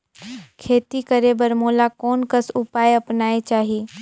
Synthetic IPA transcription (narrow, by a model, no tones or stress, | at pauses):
kʰeːt̪ikəɾebəɾmoːlakɔːnkəsʊpaːjɐpnaːet͡ʃaːɦiː